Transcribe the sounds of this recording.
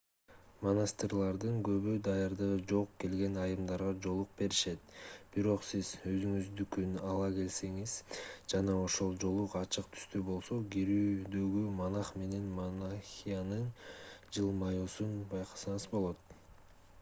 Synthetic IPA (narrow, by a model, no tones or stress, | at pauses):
monasʲt̪ʲɪrlˠɑɾd̪ɯŋɡø̞βyd̪ɑjɑɾd̪ɯʁɯd͡ʒo̞qke̞lɡe̞nɑjɯmd̪ɑɾʁɑd͡ʒo̞lˠuq̚be̞ɾiʃe̞t̪b̥iɾo̞qsizø̞zyŋyzd̪ykynɑlˠɑke̞lse̞ŋizd͡ʒɑnɑo̞ʃo̞lˠd͡ʒo̞lˠuqɑt͡ʃɯq̚t̪ʰy̥st̪ybo̞lˠso̞ɡiɾyːd̪ø̞ɡymɑnɑχme̞ne̞nmonaxʲijanɯnd͡ʒɯlˠmajosunbɑjqʰɑ̥sɑɴɯzbo̞lˠo̞t̪